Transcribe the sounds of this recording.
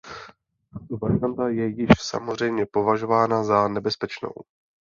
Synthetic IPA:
t̪at̪ovaɾɪant̪ajɛjɪʃsa̰mozr̝ɛjmɲɛpo̞vaʒo̞vaːnazanɛbɛspɛt͡ʃno̞̰w

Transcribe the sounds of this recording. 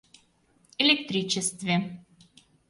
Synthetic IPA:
elʲek̚t̪ɾʲit͡ɕest̪vʲe

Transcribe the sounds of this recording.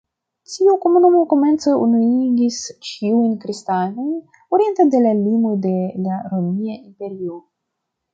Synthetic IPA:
tiuko̞munumo̞ko̞me̞nt͡seunuiɡist͡ʃiujnkɾistano̞jn | oɾie̞ntade̞lalimode̞laɾo̞miaimpe̞ɾio

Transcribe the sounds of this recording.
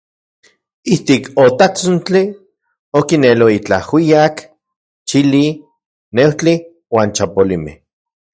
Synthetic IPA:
iht̪ikʰot̪at͡sont͡ɬi | okineloit͡ɬahwiak | t͡ʃili | newt͡ɬi | waːnt͡ʃapolimḛh

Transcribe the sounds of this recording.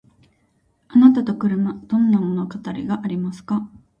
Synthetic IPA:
anat̪at̪o̞kɯ̟ɾɯ̟mad̪̥õ̞nːamo̞no̞kat̪aɾʲḭɡaʔaɾʲimasɨ̥ka

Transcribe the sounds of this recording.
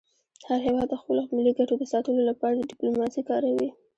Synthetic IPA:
haɾɦewɑd̪ːəxpəlomɪliɡaʈod̪əsɑt̪əlolapɑɾad̪əɖɪplomɑsikɑɾawi

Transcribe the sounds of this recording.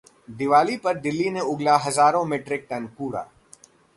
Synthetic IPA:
d̪ɪʋaːlipɐɾɖ̪ɪlːiːnẽʊɡlaɦɐzaːɾõmẽʈɾɪk̚ʈɐnpuːɽa̰ː

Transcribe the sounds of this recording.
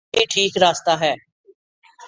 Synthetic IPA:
iːʈʰiːkɾaːst̪aːɦɛː

